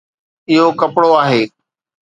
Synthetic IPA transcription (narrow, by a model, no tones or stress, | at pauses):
ɪɦokɐpɽoaːɦeː